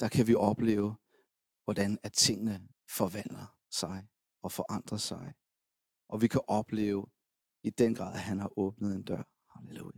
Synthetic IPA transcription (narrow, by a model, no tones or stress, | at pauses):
d̥ɑ̈kʰæʋiʔɒ̽b̥le̝̰ːʊ | ʋɒd̥ænæt͡sʰe̝ŋ̰nə | fɒ̽ʋæn̰d̥ɐ | sɑ̈ɪ | ɒ̽fɒ̽ʔɑ̈n̰d̥ʁɐsɑ̈ɪ | ʔɒ̽ʋikʰæʔɒ̽b̥le̝̰ːʊ | id̥en̰ɡ̥ʁɑ̰̈ðˠɦænhɑ̈ʔɔːb̥̚nəð̞̩ˠe̝nd̥ɶɐ̰hɑleu